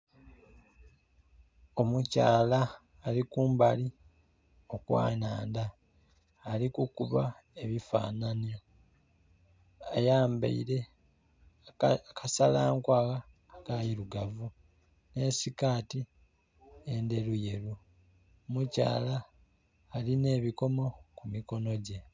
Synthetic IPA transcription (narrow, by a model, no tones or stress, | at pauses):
o̞muca̰ːlaː | likuːmbali | o̞kwa̰ːnaːndaː | likukuβa | e̞βifa̰ːnanio | ajaːmbḛiɾe̞ | kʰasalaːŋkwaaː | kajiɾuɡavu | ne̞sikaːti | e̞nde̞ɾuje̞ɾu | muca̰ːlaː | line̞ːβiko̞mo̞kumiko̞no̞ɟe̞